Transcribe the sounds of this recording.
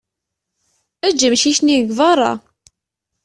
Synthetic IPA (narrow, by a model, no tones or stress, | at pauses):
æd͡ʒːəmʃiçniɡvɑrˤɑ̰